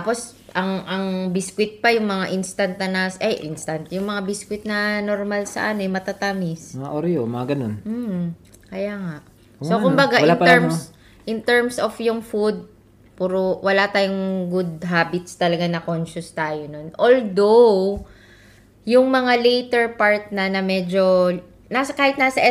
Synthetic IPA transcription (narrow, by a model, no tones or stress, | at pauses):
apo̞s | ʔɐŋʔɐŋbɪskwɪt̪̚pɐjʊŋmɐŋaʔɪnst̪ɐnt̪ːɐnasʔɛjʔɪnst̪ɐnt̪jʊŋmɐŋabiskwɪt̪̚nɐnoɾmalsɐ̰ʔanoɛmɐt̪at̪amɪsmɐŋaʔoɾjomɐŋaɡɐnonmm̩ | kɐjaːŋaʔ | sokʊmbɐɡaʔɪnɛɹms | ʔɪnt̪ɛɹmsofjʊŋfud̪̚ | puːɾowʔɐlat̪aːjoŋɡʊd̪̚ɦaːbɪt̪st̪ɐlɐɡanɐkonʃʊst̪aːjono̞nʔold̪ow | jʊŋmɐŋalejt̪ɛɹpaɹt̪̚nɐnɐmɛd͡ʒo̞ | nasɐkaːhɪt̪naːsɐʔɛ